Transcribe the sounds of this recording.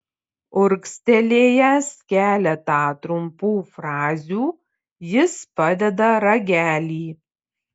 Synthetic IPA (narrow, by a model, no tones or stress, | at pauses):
ʊɾksʲt̪ʲɛlʲeːjɛskʲæːlʲɛt̪ɑːt̪ɾʊmpuːfɾɑːzʲuː | jɪspɐd̪ʲɛd̪ɐɾɐɡʲæːlʲiː